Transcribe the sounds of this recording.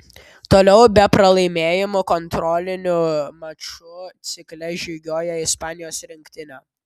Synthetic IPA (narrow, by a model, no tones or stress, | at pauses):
t̪oːlʲɛʊbʲɛpɾɐlˠɐɪmʲeːjɪmʊkɔnt̪ɾɔːlʲɪnʲʊmɐt͡ʃʊt̪sʲɪklʲɛʒʲiːɡʲoːjɛɪspɑːnʲɪjoːsɾʲɪŋʲkt̪ʲɪnʲoː